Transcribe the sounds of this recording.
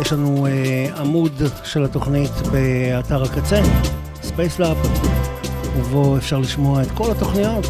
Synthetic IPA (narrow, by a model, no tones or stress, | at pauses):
jeʃlanueamudʃe̞lato̞χnitbeataʁakat͡se̞ | spejslap | uvo̞efʃaʁliʃmo̞aet̪ko̞lato̞χnijo̞t